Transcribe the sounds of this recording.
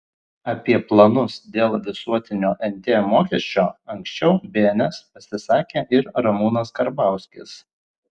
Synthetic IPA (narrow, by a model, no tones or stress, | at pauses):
ɐpʲiɛplˠɐnʊsd̪ʲeːlˠʋʲɪsuɔt̪ʲɪnʲoːʔɛnʲt̪ʲeːmoːkʲisʲt͡ʃʲoːɐŋʲksʲt͡ʃʲɛʊbʲeːnʲɛspɐsʲɪsɑːkʲeːʔɪɾɾɐmuːnɐskɐɾbɑˑʊsʲkʲɪs